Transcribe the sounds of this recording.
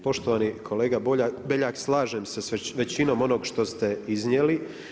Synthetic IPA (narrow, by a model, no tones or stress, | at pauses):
po̞ʃt̪o̞ʋaːnikʰo̞le̞ːɡababeʎaːkslˠaːʒemsesʋe̞t͡ɕino̞mo̞no̞ɡʃt̪o̞st̪e̞iznje̞li